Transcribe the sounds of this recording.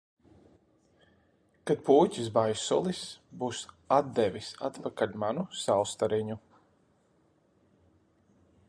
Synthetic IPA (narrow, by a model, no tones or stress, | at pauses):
kat̪̚puːcʲisbajsɔ̰lˠisbuːs | ad̪̚d̪ɛvʲisat̪pakalʲmanusawst̪aɾiɲu